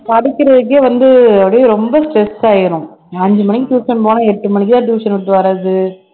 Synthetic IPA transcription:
pɐɽɪkʲːɪɾɐðɯk̬ːeːʋɐnd̪ɯɐʋɐɽɐjeɾɔmbɐsʈɾɛsːaːjɪɾʊ̃ | ɐɲd͡ʒɯmɐnɪkːɪʈjuːʂɐnpoːnãɛʈːɯmɐnɪkːɪt̪ãːʈjuːʂɐnɐt̪ːɯʋɐɾɐðɯ

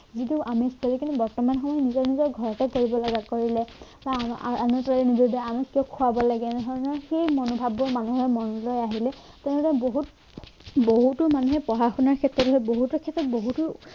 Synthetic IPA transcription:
zituʔamistɔlɛkintubɔɹtɔmanxɔmɔjnizɔɹnizɔɹɡʱɔɹɔtakoɹibɔlɔɡakoɹilɛbaa̰a̰nɔtalinidʱɔdɔamikiɔkʰuabɔlaɡɛɛnɛdʱɔɹɔnɔɹxejmɔnɔbʱabɔɹmanuɦɔmɔnlojaɦilɛ | tɛnɛdɔɹboɦut | boɦutʊmanuɦɛpɔɦaxʰunaɹkʰɛtɹɔtɦɔjboɦutʊkʰɛtɹɔt̚boɦutʊ

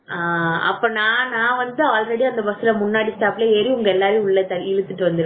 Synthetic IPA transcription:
aːɐ̰pːoːnãːnãːʋɐnd̪ɯaːlɾɛɽiɐnd̪ɐbɐsɯlɐmʊnːaːɽisʈaːpɪleːeɾiʊŋɡɐɛlːaːɾejʊɭːɐt̪ɐɪɻɯt̪ːɯʈːɯʋɐnd̪ɪɾ

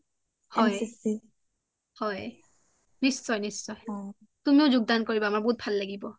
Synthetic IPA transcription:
hɔj | hɔj | nissɔjnisːɔj | tumiʊzuɡ̚dankoɹibaːmaɹboɦut̚bʱalːaɡibɔ

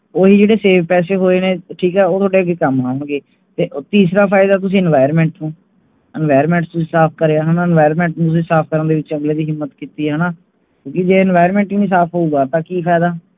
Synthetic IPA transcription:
oːɦiːd͡ʒeːɽeːseːʋpɛːseːɦoːeːneːʈʰiːkɛːoːt̪ʰoːɖeːəɡekəmaːɦoːɳɡeː | t̪eːʔt̪iːsɾaːpʰaːɪd̪aːt̪ʊsĩːɛnʋaːɪəɾmɛ̃ːɳʈnũː | ənʋaːjəɾmɛ̃ːɳʈst̪ʊsĩːsaːp̚ʰkəɾeːaːɦənaːɪnʋaːɪɾəɾmɛ̃ːɳʈnũt̪ʊs̬ĩːsaːp̚ʰkəɾənd̪eːʋɪt͡ʃəŋɡleːd̪iːɦɪmːət̪kiːt̪iːɦɛːnaː | kjõːkɪd͡ʒeːɛnʋaːɪəɾmɛ̃ːɳʈːnĩːsaːpʰɦoːuːɡaːt̪ãːkiːpʰaːd̪aː

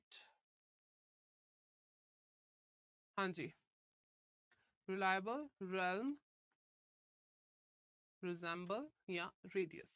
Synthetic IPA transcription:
ʈ | hãnd͡ʒi | ɾilajəbəlɾɛlm | ɾɪzɛ̃mbəljaɾeːɖiə̰s

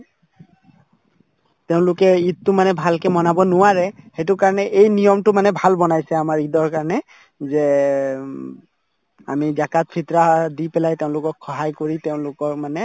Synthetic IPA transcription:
tɛʊ̃lʊkɛittːʊmanɛbʱalkɛmɔnabɔnʊwaɹɛhetʊkaɹɔnɛʔejnijɔmtʊmanɛbʱalbɔnajsɛamaɹidɔɹkaɹɔnɛ | zɛ | a̰mizakat̚pʰitɹadipɛlajteʊ̃lʊkɔkʰxɔɦajkoɹiteʊ̃lʊkɔɹmanɛ

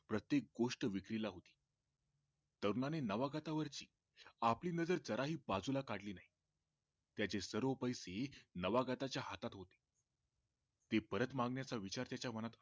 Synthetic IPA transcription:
pɾət̪jek̚ɡoʂʈəʋikɾilaɦot̪i̥ː | t̪əɾnanenəʋaɡat̪aʋəɾt͡ɕiː | apliːnəd͡zəɾd͡zəɾaɦiːbad͡zulakaɽliːnaɦi | t̪jat͡ɕesəɾʋəpəjsenəʋaɡat̪at͡ɕjaɦat̪at̪ɦot̪e̥ | t̪epəɾət̪mãŋɡɳjat͡saʋit͡ɕaɾt̪jat͡ɕjamənat̪

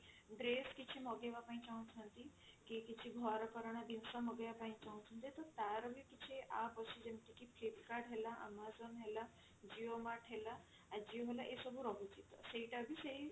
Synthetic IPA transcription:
ɖɾeskit͡ʃʰemɔɡeʋapaĩt͡ʃaɦũt͡ʃʰɔnt̪ikikit͡ʃʰiɡʱɔɾəkɔɾəɽ̃ab̪insamɔɡeʋapaĩt͡ʃaɦũt͡ʃʰũnt̪it̪ɔt̪aɾbʱikit͡ʃʰeʔapɔt͡ʃʰid͡ʒemʈ̪ikipʰlipkaɽɦelaʔa̰mazonɦela | d͡ʒiomaʈʰɦelaː | d͡ʒioɦelaʔesɔbʱuɾɔɦut͡ʃit̪ɔseiʈabʱisei

